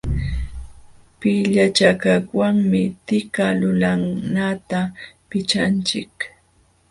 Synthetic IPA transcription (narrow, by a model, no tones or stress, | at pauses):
pɪʎat͡ʃakaχwaŋmɪt̪ɪkalʊlaŋnat̪apɪt͡ʃant͡ʃɪk